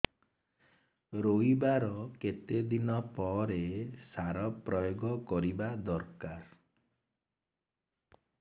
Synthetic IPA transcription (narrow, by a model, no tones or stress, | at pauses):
ɾoibaɾɔket̪ed̪inɔpɔɾesaɾɔpɾɔjoɡɔkɔɾibad̪ɔɾkaɾ